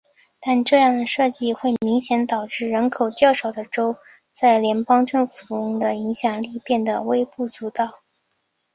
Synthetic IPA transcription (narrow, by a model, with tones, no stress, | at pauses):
t̪a˥˧nʈ͡ʂɤ˥˧jɑ˥˩ŋd̪ə˩ʂɤ˥˧t͡ɕi˥˧xwe˥˩ɪmi˧˥ŋɕjɛ˧˥nt̪ɑ˨˩ʊʈ͡ʂɻ̩˥˩ɻə˧˥nkʰo˨˩ʊt͡ɕ̪jɑ˥˩ʊʂɑ˨˩ʊd̪ə˦ʈ͡ʂo˥ʊ | t͡sa˥˩ɪljɛ˧˥npɑ˥ŋʈ͡ʂɤ˥˩ŋfu˨˩ʊ˥ŋd̪ə˨i˧˥ŋɕjɑ˨˩ŋli˥˧pjɛ˥˩nd̪ə˩we˥ɪpu˥˩t͡su˧˥t̪ɑ˨˩ʊ